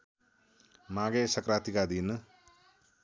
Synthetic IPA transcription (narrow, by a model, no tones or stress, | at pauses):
maɡesɐkɾaːt̪ikad̪inɨ